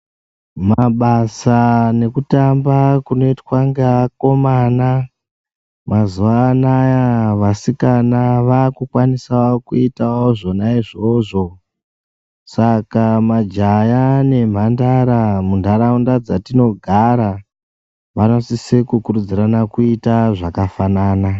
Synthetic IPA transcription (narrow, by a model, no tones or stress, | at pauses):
maɓasane̞kutambakuno̞itwaŋɡako̞maːna | mazuanajaʋasikanaʋaːkukwanisaokuitawoʐo̞naiʐo̞ʐo̞ | sakamad͡ʒajane̞m̤andaɾamundʱaɾaundad͡zatino̞ɡʱaɾa | ʋano̞sisekukuɾud͡ziɾanakuitaʐakafanaːna